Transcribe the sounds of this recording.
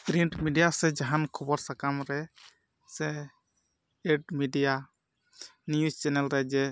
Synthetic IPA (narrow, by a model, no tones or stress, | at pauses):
kɾiɳʈmiɖijasɛd͡ʒaɦankʰɔbɔɾsakamɾɛ | sɛ | eɖmiɖija | njust͡ʃɛnɛlɾɛd͡ʒɛ